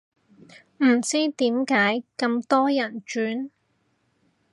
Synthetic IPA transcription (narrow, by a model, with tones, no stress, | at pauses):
m̩˨˩t͡siː˥t̪iː˨˥mkaː˨˥jkɐ˧mt̪ɔː˥jɐ˨˩nt͡ʃyː˨˥n